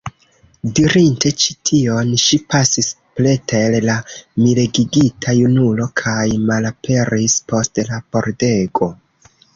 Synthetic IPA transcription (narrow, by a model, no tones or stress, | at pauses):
diɾinte̞t͡ʃi̥tʰio̞nʃipasis | ple̞tellamileɡiɡitʰajunulo̞kʰajmalapʰe̞ɾispo̞stlapo̞ɾde̞ɡo̞